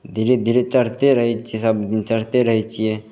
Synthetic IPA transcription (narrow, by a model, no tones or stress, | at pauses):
d̪ʱiɾed̪ʱiɾet͡ʃəɽ̤t̪eɾəɦit͡ʃiesəbd̪ɪnt͡ʃəɾ̤t̪eɾəɦit͡ʃije